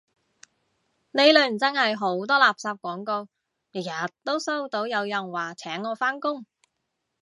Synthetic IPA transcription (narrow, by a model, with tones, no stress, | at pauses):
ne˨˧jlɵ˨˧ɥm̩˨˩t͡sɐ˥nhɐ˨jɦo˨˥wt̪̬ɔː˥laː˨p̚saː˧p̚kʷɔː˨˥ŋko˧w | ji˨˩jaː˨˩tt̪ːo˥wsɐ˥wt̪o˨˥wjɐ˨˧wjɐ˨˩nwaː˨˩t͡sʰɛː˨˥ŋːɔː˨˧faː˥nkʊ˥ŋ